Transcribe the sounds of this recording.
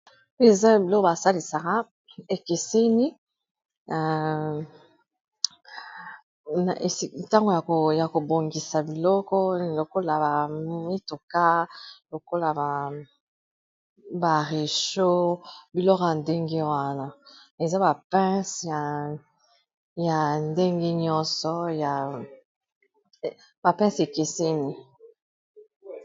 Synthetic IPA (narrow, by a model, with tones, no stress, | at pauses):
e˦˨za˦˨bi˨lɔ˦ko˦ba˨sa˦li˨sa˨ʁa˦ | e˨ke˨se˦ni˦˨ | na˨ʔe˨˦ta˦ŋɡo˨ja˨ko˨ja˨ko˨bo˨ŋɡi˨sa˨bi˨lɔ˦kɔ˦˨lo˨ko˦la˨ba˨mi˦to˨ka˦lo˨ko˦la˨ba˨ | ba˨ʁe˨ʃo˦bi˨lɔ˦kɔ˨ja˨nde˦ŋɡe˦wa˦na˨ | e˨za˦ba˨pɛ̃˦sja˨ | ja˨nde˦ŋɡe˦ɲɔ˦nsɔ˨ja˨ | ba˨pɛ̃˦se˨ke˨se˦ni˦